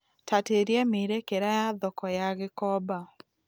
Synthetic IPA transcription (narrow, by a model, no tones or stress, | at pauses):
tateɾjemiɾekeɾajaðɔkɔjaɣɪkɔba